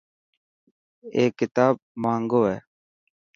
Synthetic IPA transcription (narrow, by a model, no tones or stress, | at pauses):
eːkːɪt̪aːb̚mãːŋɡoːeː